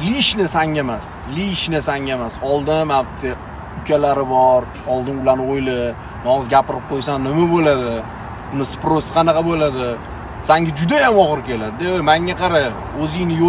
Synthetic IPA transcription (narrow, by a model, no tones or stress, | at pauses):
liʃnɪsaŋʲamas | liʃnɪsaŋʲamasɒlˠd̪ɪnamat̪ʰːɪ | ʊkʲʰalaɾɪbɒɾ | ɒlˠd̪ɪnʊlanojlɪ | nɒɨzɡʲapɪɾɪp̚qʰojsanːɪmabolad̪ɪ | ʊnɪspɾosɨ̥qʰɑnɑqʰɑbolad̪ɪ | saŋɡʲad͡ʒʊd̪ajamɒʁɨɾkʲe̞lad̪ɪd̪amaŋɡʲaqʰɑɾa | ɵzɪjnɪjo